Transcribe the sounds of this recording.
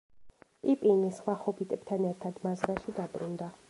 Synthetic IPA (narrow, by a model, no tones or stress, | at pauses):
pʼipʼinisχwaχɔpʰit̪ʼɛb̥̚t̪ʰanɛɾt̪ʰad̪mazɾaʃid̪abʼɾund̪a